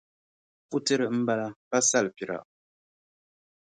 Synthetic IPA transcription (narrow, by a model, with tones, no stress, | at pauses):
fu˦tə˦ɾə˨m̩˦ba˦la˦pa˦sa˦˨lpi˨ɾa̰˨ʔ